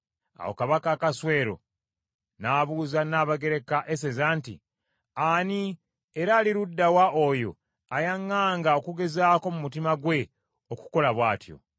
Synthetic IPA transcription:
a̰wo̞̰kaβakaːkaswe̞ːɾo̞̰ | naːβuzanaːβaɡe̞ɾe̞kaʔe̞s̬e̞zaːntḭ | ani | eɾaːliɾudːawaʔojo̞̰ | ajaŋːaːŋɡao̞kuɡe̞zaːko̞mumutimaɡwe̞ | oku̥ko̞laβwaːtjo̞̰

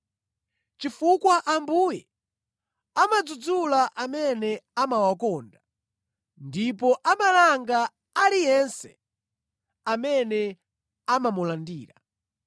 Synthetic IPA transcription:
t͡ʃifukwaʔambujɛ | amad͡zud͡zulaʔamɛnɛamawakɔːnda | ndipɔʔamalaŋɡa | alijɛnsɛ̥̰ | amɛnɛ | amamulandiːɾa

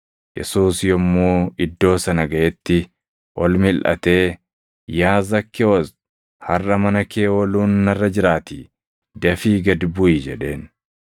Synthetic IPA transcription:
jɛ̰suːsjɔmːuːɪd̪ːo̞ːsɐnɐɡɐʔɛt̪ːɪ | ʔɔlmɪlʔɐ̰t̪e̞ː | jaːzɐkːɛwɔs | hɐrːɐmɐnɐkʰeːwɔluːnːɐrːɐd͡ʒɪɾaːt̪i | d̪ɐfiːɡɐd̪bʊid͡ʒɛᶑe̞ːn

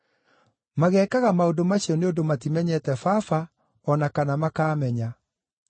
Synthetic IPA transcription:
maɣɛːkaɣamaodomaɕiɔneondomatimɛɲɛtɛfaːfa | ɔnakanamakaːmɛɲa

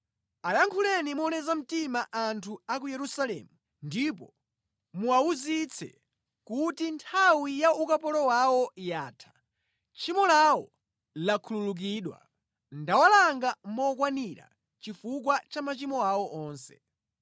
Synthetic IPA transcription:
ajaŋkʰulɛnimɔnɛzam̩timaʔantʰuakujɛɾusalɛ̰ːmu | ndipɔ | muauzit͡sʰɛ̰ | kutintʰawijaukapɔlɔwawɔjaːtʰḁ | t͡ʃʰimɔlawɔ | lakʰululuk̬iːɗwa̰ | ndawalaŋɡamɔk̬waniɾa̰ | t͡ʃifuk̬wat͡ʃamat͡ʃimɔawɔʔɔːnsɛ̰

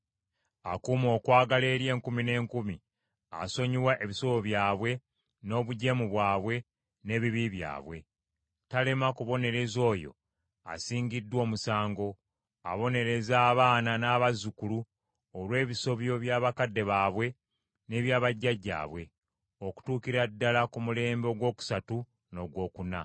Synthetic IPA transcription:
akuːmo̞ːkwaːɡale̞ːɾje̞ːŋkumine̞ːŋkumi | a̰so̞ɲiwaʔe̞βiso̞βoβjaːβwe̞ | no̞ːβuɟe̞muβwaːβwe̞ | ne̞ːβiβiβja̰ːβwe̞̰ | tale̞makuβo̞ne̞ɾe̞zo̞ːjo̞̰ | a̰siːɲɟidːwo̞ːmusaːŋɡo̞ | aβo̞ne̞ɾe̞zaːβaːnanaːβazukulu | olwe̞ːβiso̞βjo̞βjaːβakadːe̞βaːβwe̞ | ne̞ːβjaːβaɟːaɟːa̰ːβwe̞ | o̞ku̥tuːkiɾadːalakumule̞ːmbo̞ɡwo̞ːku̥satu | no̞ɡwo̞ːkuna̰

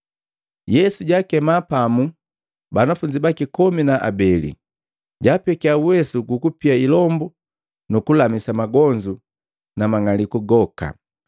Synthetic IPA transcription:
jɛsuɟaːkɛmapamu | banafuɲd͡ʒibakikɔminaʔa̰bɛlḭ | ɟaːpɛkiauwɛsuɡukupiailɔmbu | nukulamisamaɡɔɲd͡ʒu | namaŋalikuɡɔka̰

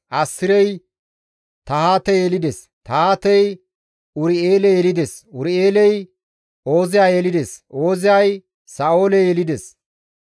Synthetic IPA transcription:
ʔɐsːɪɾɛj | t̪ɐhaːt̪ɛjɛlɪd̪ɛs | t̪ɐhaːt̪ɛj | ʊɾɪeːlɛjɛlɪd̪ɛsʊɾɪe̞ːlɛj | o̞ːzɪjaːjɛlɪd̪ɛsʔo̞ːzɪjaj | saːo̞ːlɛjɛlɪd̪ɛs

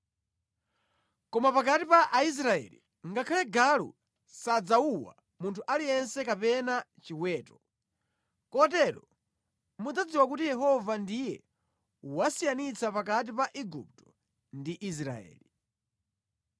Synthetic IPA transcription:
kɔmapakatipaʔais̬ɾaɛ̰lḭ | ŋɡakʰalɛɡalṵ | sad͡zauwa̰ | muntʰuʔalijɛnsɛkapɛnat͡ʃiwɛːtɔ̥ | kɔtɛɾɔ | mud͡zad͡ziwakutijɛɦɔvandijɛ | wasijanit͡sapak̬at̬ipaʔiɡṵp̚tɔ̥ | ndiʔis̬ɾa̰ɛ̰ːli

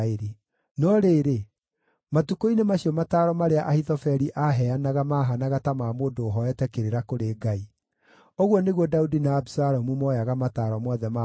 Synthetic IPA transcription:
eɾe | nɔɾeːɾe | matukoinemaɕiɔmataːɾɔmaɾeaʔahitɔfɛɾiʔaɦɛanaɣamaːɦanaɣatamaːmoːndoːɦɔɛtɛkeɾeɾakoɾeːɡai | oɣwɔneɣwɔdaudinaːbsaɾɔmumɔjaɣamataːɾɔmwɔðɛma

